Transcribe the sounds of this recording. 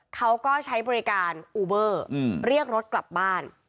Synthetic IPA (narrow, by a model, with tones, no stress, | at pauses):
kʰa˦˥wkɔː˥˩t͡ɕʰa˦˥jbɔː˧ɾi˦˥kaː˧nʔuː˧bɤː˥˩˧ɾi˥˩ək̚ɾo˦˥t̪̚kla˨˩p̚baː˥˩n